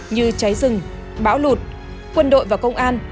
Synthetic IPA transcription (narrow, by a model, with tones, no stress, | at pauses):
ɲɨ˧t͡ɕa˨˦jzɨ˨˩ŋ | ɓaː˧˥wlu˨˩t̚ | kwə˧nɗo̰˧˨jvaː˨˩kə˧wŋ͡mʔaː˧n